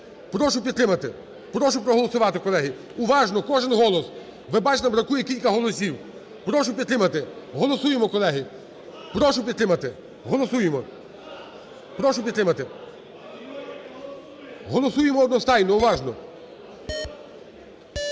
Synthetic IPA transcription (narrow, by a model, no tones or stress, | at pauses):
pɾɔʃʊpʲid̪t̪ɾɪmɐt̪ɪ | pɾɔʃʊpɾɔɦɔlˠɔsʊʋɑt̪ɪkɔlˠɛɦi | ʊʋɑʒnɔkɔʒɪnɦɔlˠɔs | ʋɪbɑt͡ʃnɐbɾɐkujɛkʲilʲkɐɦɔlˠɔsʲiw | pɾɔʃʊpʲid̪t̪ɾɪmɐt̪ɪɦɔlˠɔsujemɔkɔlˠɛɦi | pɾɔʃʊpʲid̪t̪ɾɪmɐt̪ɪ | ɦɔlˠɔsujemɔ | pɾɔʃʊpʲid̪t̪ɾɪmɐt̪ɪ | ɦɔlˠɔsujemɔːd̪nɔst̪ɑjnɔʊʋɑʒnɔ